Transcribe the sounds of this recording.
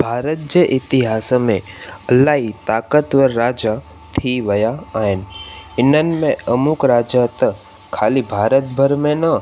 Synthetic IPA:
bʱaːɾət̪̚d͡ʒeʔɪt̪ɪɦaːsəmẽəlaːit̪aːkət̪ʋəːaːd͡ʒa | t̪ʰiʋɐjaaːɪnɪnənmẽəmʊkɾaːd͡ʒat̪ə | kʰaːlibʱaːɾət̪bʱəɾmẽnə

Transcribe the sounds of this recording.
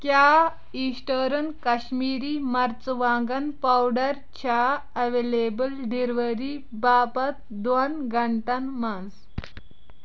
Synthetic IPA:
kja | isʈəɾənkɐɕmiːɾiːmɐɾt͡sʋãŋɡanpawɖəɾ | t͡ɕʰaɐʋelebəlɖiɾʋəɾiː | bapat̪̚ | d̪onɡʱəɳʈanmãnd͡z

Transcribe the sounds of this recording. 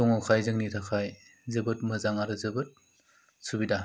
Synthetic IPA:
ɔŋakʰajzɯŋnitʰakʰaj | zɯbɯt̚mɐzaŋaɾɯzɯbɯt̚ | subida

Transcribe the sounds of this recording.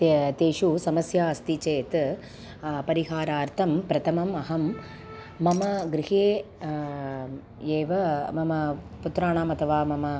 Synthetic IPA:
t̪eːʂusɐmɐsjaːɐst̪it͡ʃeːt̪ | pɐɾiɦaːɾaːɾt̪ʰɐmpɾɐt̪ʰɐmɐmɐɦɐmː | ɐmɐɡɾɪɦeː | eːʋɐmɐmɐ | put̪ɾaːɳaːmɐt̪ʰɐʋaːmɐmɐ

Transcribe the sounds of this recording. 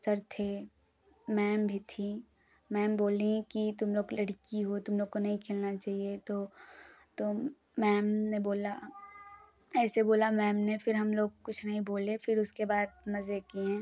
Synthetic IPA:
sɐɾt̪ʰe | mɛːmbʱit̪ʰi | mɛːmboːlĩkit̪ʊmloːɡlɐɽ̤kiɦot̪ʊmloːɡ̚konɐɦĩkʰeːlnat͡ʃaːɦiet̪oːt̪o | mɛːmneboːla | ɛːseboːlamɛːmnefɪɾɦɐmloːɡ̚kʊt͡ʃʰnɐɦĩboːlefɪɾʊskebaːd̪̚mɐzekiɦɛ̃ː

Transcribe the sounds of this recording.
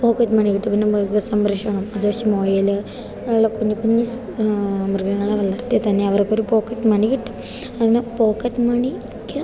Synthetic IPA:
poːkːɐt̪ːmɐɳikiʈːumpinːemrɡɐsɐmbrɐʂɐɳɐmɐðuɐʂemoːjɐlɨ | eɭːɐkuɲːikuɲːis | mrɡɐŋːɐɭeʋɐlːɐrt̪ijet̪ɐnːeɐʋɐrkːo̞ɾupo̞ːkːɐt̪mɐɳikiʈːu̥ | ɐpinːepo̞ːkɐt̪ːmɐɳi | kʲːɨ

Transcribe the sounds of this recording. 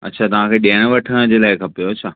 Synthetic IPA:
ɐ̰tːɕʰaːt̪ɐʋ̤ãkʰeːɗeɽ̃ʋɐʈʰəɽ̃d͡ʑeːlaːɪkʰɐpijoɐt͡ɕʰaː

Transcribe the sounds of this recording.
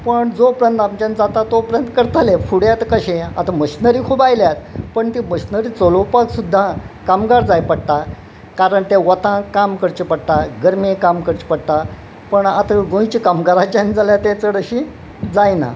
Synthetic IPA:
pəɳd͡zopɾjənt̪amt͡ɕãnd͡zat̪at̪opɾjənt̪kəɾt̪alefuɽjat̪kəɕẽa̰t̪ʰaməɕnəɾikʰubajljat̪pəɳt̪iməɕnəɾiːt͡solowpaksud̪ʱːãkamɡaɾd͡zajpəɽt̪a | kaɾəɳt̪eʋət̪ãkamkəɾt͡ɕipəɽt̪aɡəɾmekamkəɾt͡ɕi̥pəɽt̪a | pəɳat̪ʰəɡõjt͡ɕikamɡaɾat͡ɕand͡zaljat̪ẽt͡səɽəɕi | d͡zajna̰

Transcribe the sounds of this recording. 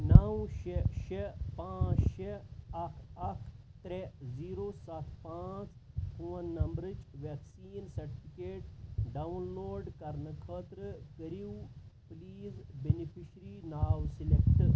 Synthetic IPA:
naːwʃeʃepãːt͡ʃʃeɐkʰɐkʰ | t̪ɾeziːɾosɐt̪ʰpãːt͡spuːɐnːɐmbɾɨt͡ʃʋeksiːnsɐɾʈipʰikeːʈɖaunloːɖkɐɾnɨkʰət̪ɾəkəɾiwpliːzbenipʰiʃɾinaːwsilekʈ

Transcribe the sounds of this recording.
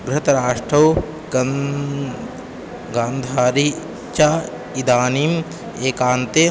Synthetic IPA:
ɡɾɪɦɐt̪ɐɾaːʂʈɾɐw | ɡaːnd̪ʱaːɾi | t͡ʃa | id̪aːniːm | eːkaːnt̪e

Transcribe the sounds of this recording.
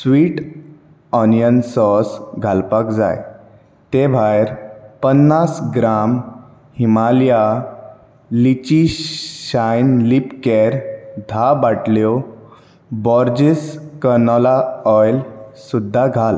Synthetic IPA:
sʋiːʈ | ɔnjənsɔsɡʱalpakd͡za̰j | t̪ebʱajɾpənːasɡɾam | himalja | lit͡ɕiɕajnlipkɛɾd̪ʱabaʈljɔ | bɔɾd͡ʑiskəɾnɔlaɔjlsud̪ʱːaɡʱal

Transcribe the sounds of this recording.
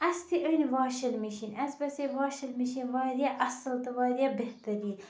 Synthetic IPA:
ɐst̪ʰiʔənʲʋaːʃɐlmiʃinʲɐsbɐsiːʋaːʃɐlmiʃinʲʋaːɾijaːʔɐsɐlt̪ɐʋaːɾijaːbeht̪ɐɾiː

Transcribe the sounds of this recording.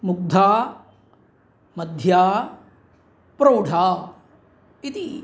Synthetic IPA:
muk̚d̪ʱaː | mɐd̪ʱjaː | pɾowɖʱaː | it̪i

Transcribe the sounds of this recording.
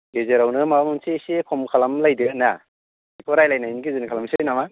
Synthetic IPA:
bezeɾawnɯmamunsesekʰɔmkʰalamlajdɯna | ipʰɔɾajlajnajnikizɯnikʰalamsɯjnama

